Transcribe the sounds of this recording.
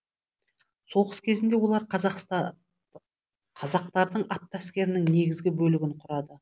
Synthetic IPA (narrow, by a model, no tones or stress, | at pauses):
so̞ʁəskʲʰe̞zɪnd̪e̞wo̞lˠɑɾq̪ | qʰɑzɑq̚t̪ɑɾd̪əɴɑt̪ːæskʲe̞ɾɪnɪŋne̞ɡʲɪzɡʲɪbɵlɪɡʲɪɴqʰʊɾɑd̪ə